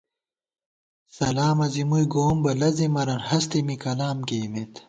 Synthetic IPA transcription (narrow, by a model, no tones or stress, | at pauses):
sɐlaːmɐzimujɡoːmbɐlɐzimɐɾɐnhɐst̪imikɐlaːmkeːmet̪